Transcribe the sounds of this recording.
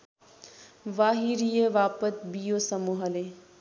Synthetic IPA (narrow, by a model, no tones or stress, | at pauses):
ʋaːɦiɾijəʋaːpət̪bijosɐmuɦəle